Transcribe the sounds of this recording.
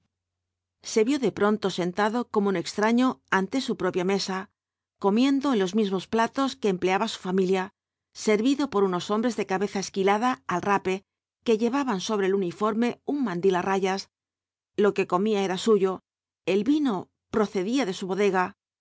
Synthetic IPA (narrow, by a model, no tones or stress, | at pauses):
se̞βjo̞ðe̞pɾo̞nt̪o̞se̞nt̪aðo̞ko̞moune̞kst̪ɾaɲo̞ant̪e̞supɾo̞pjame̞sa | ko̞mje̞nd̪o̞enlo̞zmizmo̞splat̪o̞ske̞ːmple̞aβasu̥familja | se̞ɾβiðo̞po̞ɾuno̞so̞mbɾe̞zðe̞kaβe̞θaeskilaðaːlrape̞ | ke̞ʝe̞βaβanso̞β̞ɾe̞ːlunifo̞ɾme̞uŋmãnd̪ilaraʝas | lo̞ke̞ko̞miae̞ɾasuʝo̞ | e̞lβino̞ | pɾo̞θe̞ðiaðe̞suβo̞ðe̞ɣa